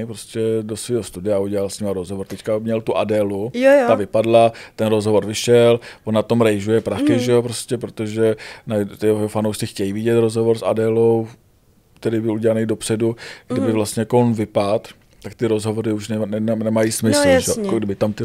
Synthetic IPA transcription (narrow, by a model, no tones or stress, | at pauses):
pɾoscɛdo̞sviːɦost̪udɪauɟɛlalsɲɪmaɾozɦovoɾt̪ɛckamɲɛlt̪uʔadɛːluj̪avɪpadlat̪ɛnɾozɦovo̞ɾvɪʃɛlvonːat̪o̞mɾɛjʒujɛpɾaxɪʒɛop̬ɾoscɛpɾot̪oʒɛnat̪ɪoofanowʃt͡sɪxcɛjivɪɟɛt̪ɾozɦovo̞ɾsa̰dɛːlo̞w | kt̪ɛɾiːbɪluɟɛlanɛjdo̞pr̥ɛduɡdɪbɪvlast̪ɲɛjakoonvɪpat̪ | t̪ːakt̪ɪɾo̞zɦo̞vo̞ɾɪuʃnɛnɛmajismɪslʒɛkoɡdɪbɪt̪amt̪ɪ